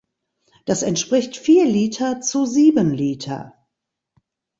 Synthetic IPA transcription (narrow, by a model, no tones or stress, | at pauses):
d̥asɛntʃpʁ̥ɪçtfiːɐliːtʰɐt͡suziːbənliːtʰɐ̰